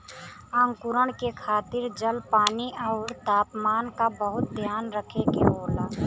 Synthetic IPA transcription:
ãːŋkʊɾəɽ̃kekʰaːt̪ɪɾd͡ʒəlpaːniʔaʊɾt̪aːpmaːnkabəɦʊt̪̚d̪ʱjaːnɾəkʰeɡḛoːlaː

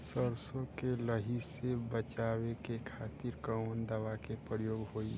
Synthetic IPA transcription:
səɾsõkeləɦisebət͡ʃawekekʰaːt̪iɾkəwnd̪əʋakepɾɾjoːɡɦoːi

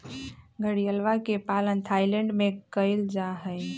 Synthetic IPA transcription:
ɡəɽijəlʋakepalənt̪ʰajlə̃ɳɖmekəjld͡ʒaɦəj

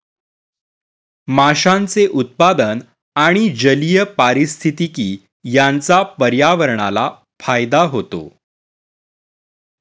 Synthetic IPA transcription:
maɕãnt͡seʔut̪̚pad̪ən | aɽ̃id͡ʑəlijəpaɾist̪ʰit̪ikiː | jant͡sapəɾjaʋəɾɳa̰la | fajd̪aɦot̪o̰

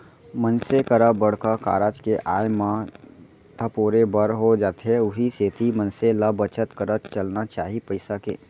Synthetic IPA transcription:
mənsekəɾəbəɽ̤kaka̰ːɾaːd͡ʒkeʔaːjmã | t̪ʰəpoːɾebəɾɦod͡ʒaːt̪ʰɦeʊɦiseːt̪ʰimənseləbət͡ʃət̪kəɾət̪t͡ʃəlnat͡ʃaːɦipəɪsakḛː

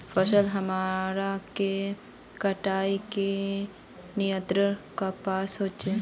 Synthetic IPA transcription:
pʰəsəlɦɐmaːɾake | kəʈaːike | nɪjə̃nt̪ɾəkapaːsɦoːt͡ʃe

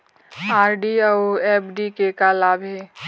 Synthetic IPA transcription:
aːɾɖiaoɛːpʰɖikekalaːbʱɦɛː

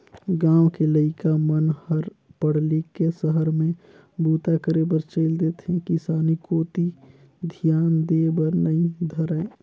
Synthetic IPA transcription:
ɡãːwkeləɪkamənhəɾpəɽlikːesəɦəɾmẽ | buːt̪akəɾebəɾt͡ʃəɪld̪eːt̪ʰẽkɪsaːnikoːt̪i | d̪ʱijaːnd̪eːbəɾnəĩd̪ʱəɾə

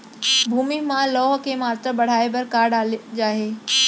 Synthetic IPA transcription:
bʱuːmimãlɔːɦkʰeːmaːt̪ɾəbɐɽ̤aːebɐɾkaːɾɖaːled͡ʑaːɦeː

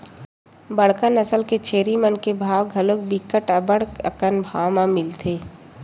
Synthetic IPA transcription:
bəɽ̤kənəsəlket͡ʃʰeːɾimənkebʱaːwɡʱɐlok̚bikəʈəbəɽə̰kənbʱaːwmãmɪlt̪ʰeː

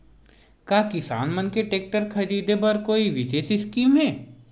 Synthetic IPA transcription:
kaːkɪsa̰ːnmɐnkeʈeːk̚ʈəɾkʰɐɾiːd̪ebɐɾkoːiʋɪʃeːsɪskiːmɦɛː

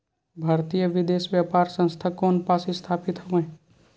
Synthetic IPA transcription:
bʱaːɾt̪ijəʋɪd̪eːsʋjapaːɾsə̃nst̪ʰakoːnpaːsist̪ʰaːpɪt̪ɦoʋẽː

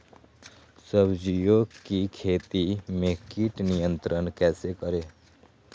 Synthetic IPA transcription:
səbd͡ʒijoːɡkikʰeːt̪imekiʈnijənt̪ɾənkɛːsekəɾe

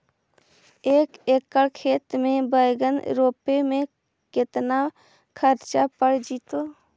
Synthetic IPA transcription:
eːkeːkːəɽkʰeːt̪mẽbəjɡənɾoːpemẽ | kɪt̪na | kʰəɾt͡ʃapəɽd͡ʒiːt̪oː

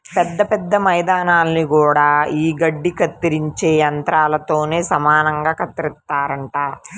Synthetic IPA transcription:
pɛd̪ːɐpɛd̪ːɐmɐjd̪aːnaːlːikuːɽaːiːɡɐɖːikɐt̪ːiɾiɲt͡ʃeːɐnt̪ɾaːlɐt̪o̞ːne̞ːsɐmaːnɐŋɡaːkɐt̪ːɾit̪ːaːɾɐɳʈaː

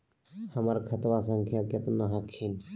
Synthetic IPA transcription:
həməɾkʰət̪ʋasə̃ŋkʰjakət̪naɦəkʰiːn

